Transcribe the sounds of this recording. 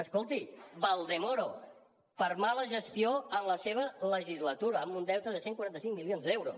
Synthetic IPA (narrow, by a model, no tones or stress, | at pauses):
əskolˠt̪iβalˠd̪emoɾo | pəɾmaləʒəst̪ioənləseβ̞ələʒizlət̪uɾəːmund̪ɛwt̪əðəseŋkwaɾant̪əsiŋmilionzd̪ɛwɾo̰s